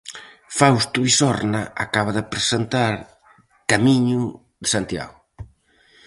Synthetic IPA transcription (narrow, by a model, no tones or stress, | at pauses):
fawst̪uβisɔɾnaakaβaðepɾesent̪aɾ | kamiɲʊ | ðesant̪ja̰ɣʊ